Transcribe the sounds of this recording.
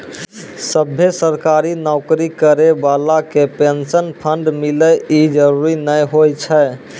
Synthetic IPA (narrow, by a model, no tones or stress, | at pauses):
səbʱesəɾkaɾinɔʊkɾikəɾebalakepensənpʰəɳɖmiləid͡ʒəɾuɾinəjɦojt͡ʃʰɛ